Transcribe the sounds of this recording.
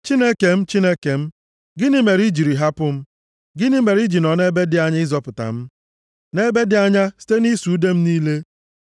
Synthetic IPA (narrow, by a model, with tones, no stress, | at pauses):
t͡ʃi˦ne˦ke˨m̩˦t͡ʃi˦ne˦ke˨m̩˦ | ɡɪ˦nɪ˦me˨ɾi˦d͡ʒi˨ɾi˨ɦa˦pʊ˦m̩˦ | ɡɪ˦nɪ˦me˨ɾi˦d͡ʒi˨nɔ˨ne˦be˦dɪ˨˦a˦ɲa˦ɪ˦zɔ˦pʊ˨ta̰˨m̩˦ | ne˦be˦dɪ˦a˦ɲa˦si̥˦te˦ni˦su˨˦de˦m̩˦niː˦le˦